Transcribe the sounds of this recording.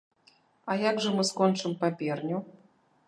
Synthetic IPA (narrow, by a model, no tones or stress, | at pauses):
ajaɡʐɨmɨskɔnt͡ʂɨmpapʲɛrnʲu